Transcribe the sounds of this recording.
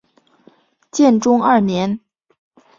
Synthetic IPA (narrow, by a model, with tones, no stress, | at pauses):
t͡ɕjɛ˥˩nʈ͡ʂʊ˥ŋɐ˞˥˩njɛ˧˥n